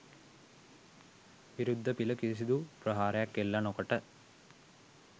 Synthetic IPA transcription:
ʋiɾud̪ʱːɐpilɐkis̬id̪upɾɐɦaːɾɐjakːelːɐnokɐʈːɐ

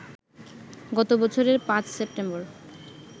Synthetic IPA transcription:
ɡɔt̪obɔt͡ɕʰoɾeɾpãt͡ɕsep̚ʈemboɾ

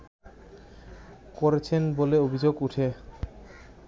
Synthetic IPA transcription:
koɾet͡ɕʰenboleobʱid͡ʑoɡuʈʰe

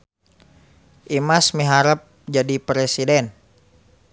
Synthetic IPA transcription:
ʔimasmiɦaɾəp̚d͡ʒadipɾesidɛn

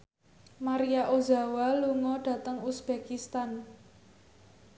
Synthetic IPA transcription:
maɾijaʔoza̤waluŋɔɖ̥ä̤t̪əŋusb̥ekist̪an

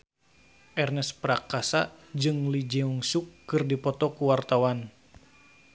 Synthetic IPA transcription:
ʔɛrnɛspɾakasa̰d͡ʒɨŋlid͡ʒɛuŋsukːɨrdipɔt̪ɔkuwart̪awan

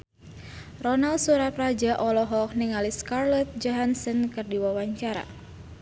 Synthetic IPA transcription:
rɔnalsuɾapɾad͡ʒaʔɔlɔɦɔk̚niŋaliskarlɛt̪̚d͡ʒɔɦansənkɨrdiwawaɲt͡ʃaɾa̰

